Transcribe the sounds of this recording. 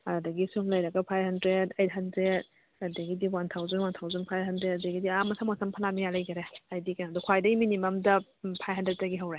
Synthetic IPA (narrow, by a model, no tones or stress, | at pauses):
ɐdɐɡisuŋlɐjɾɐɡɐpʰajbɦɐndɾedejt̚ɦɐndɾed̚ | ɐdɐɡidiwantʰawzanwantʰawzanpʰajɦɐndɾet̚ɐdɐɡidiamɐsʰamɐsɐmpʰɐlamijalɐjɡɐɾeajdikanadukʰwajdɐɡiminimɐmdɐ | pʰajɦɐndɾet̚zɐɡiɦɐwɾe